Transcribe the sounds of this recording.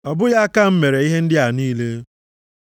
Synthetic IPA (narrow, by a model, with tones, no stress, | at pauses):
ɔ˨bʊ˦ja˦ka˦˨m̩˦me˨ɾe˨i˦ɦe˦n̩˦dɪ˦a˨niː˦le˦